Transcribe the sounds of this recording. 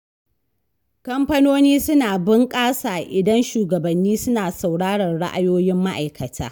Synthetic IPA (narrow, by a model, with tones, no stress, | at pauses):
kɐ˦mɸɐ˦noː˦niː˦sʊ˦naː˨bɪ˦ŋkʼaː˦saː˨ʔɪ˨dɐ˦nʃuː˨ɡɐ˨bɐ˨nːiː˦sʊ˦naː˨sa˨wɽaː˦ɽɐ˨rɽa̰˦ʔa̰˨joː˦jɪ˦mːa˦ʔa̰˨jkɐ˨tʰa̰ː˦